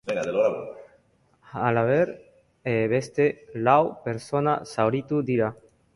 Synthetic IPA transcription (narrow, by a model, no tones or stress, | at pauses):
beŋɡad̪eloɾaβo | alaβeɾ | eβest̪elawpeɾsona̰sawɾit̪ud̪iɾa